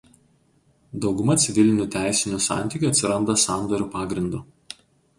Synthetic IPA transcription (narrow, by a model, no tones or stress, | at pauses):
d̪ɒʊɡʊmɐt̪sʲɪʋʲɪlʲɪnʲʊˑt̪ʲæˑɪsʲɪnʲʊsɑ̰ˑnʲt̪ʲɪˑkʲuɐt̪ʲsʲɪɾɐnd̪ɐsɑˑnd̪ɔɾʲuːpɑːɡɾʲɪnd̪u